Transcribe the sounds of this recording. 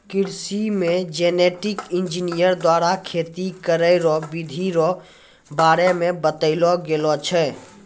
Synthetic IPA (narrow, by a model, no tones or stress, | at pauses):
kɪɾsimẽd͡ʒeneʈɪkɪnd͡ʒinijəɾd̪waːɾakʰet̪ikəɾəɾɔbid̪ʱiɾɔ | baːɾemebət̪əɪlɔɡelɔt͡ʃʰɛ